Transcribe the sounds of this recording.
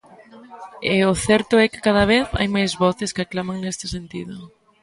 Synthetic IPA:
ɛʊθɛɾt̪ʊɛkɪ̥kaðɐβ̞eθa̰jmajzβɔθɪskɪaklamaŋnest̪ɪsent̪iðʊ

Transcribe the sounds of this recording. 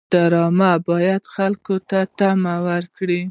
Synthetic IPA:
d̪̥aɾɑmabɑjad̪xalkot̪at̪amawaɾkɽi

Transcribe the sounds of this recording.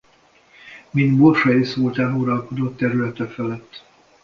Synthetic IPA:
mind̪borʃɒjisoːlt̪ɛluɾɒlko̞d̪o̞t̪ːɛɾylɛt̪ɛfɛlɛt̪ː

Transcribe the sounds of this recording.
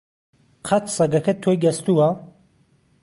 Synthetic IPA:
qʰɐt̪sɐɡɐkɐt̪ʰːoːjɡɐst̪uwɐ

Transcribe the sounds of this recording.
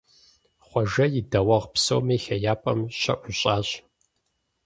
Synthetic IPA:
χʷɔʒɐjɪdɐwɐʁpso̰wmeːxɐjaːpʼɐmɕɐ̰ʔʷʊɕʼaːɕ

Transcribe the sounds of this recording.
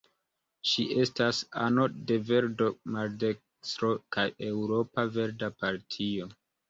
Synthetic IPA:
t͡ʃiʔe̞stasa̰no̞de̞ve̞ɾdo̞maɾdek | stɾo̞kaje̞wɾo̞pave̞ɾdapaɾtʰio̞

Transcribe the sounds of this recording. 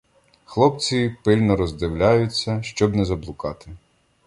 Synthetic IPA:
xlˠɔpt͡sʲipɪlʲnɔɾɔzd̪ɪwlʲajʊt͡sʲːɐʃt͡ʃɔbnɛzɐblˠʊkɑt̪ɪ

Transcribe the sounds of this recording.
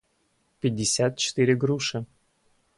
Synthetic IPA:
pʲɪdʲːɪsʲat̪̚t͡ɕɪ̥t̪ɨɾʲɪɡɾuʂɨ

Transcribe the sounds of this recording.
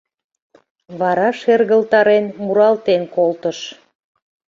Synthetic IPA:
βɑɾɑʃerɣəlt̪ɑɾenmuɾɑlt̪enkolt̪əʃ

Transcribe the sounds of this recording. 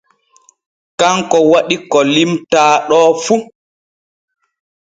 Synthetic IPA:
kaŋkɔwaɗikɔlimtaːɗɔːfu

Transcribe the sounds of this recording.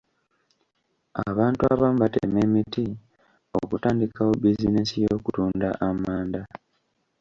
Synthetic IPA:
a̰βaːntuaβamubatḛme̞ːmiti | o̞̰kutaːndikawobizine̞sijo̞ːkutuːnda̰ʔamaːnda

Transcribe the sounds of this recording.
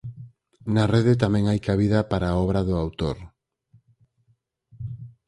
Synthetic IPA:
nareðet̪̬amɛ̃ŋajkaβ̞iðɐpaɾaːɔβɾaðʊawt̪oɾ

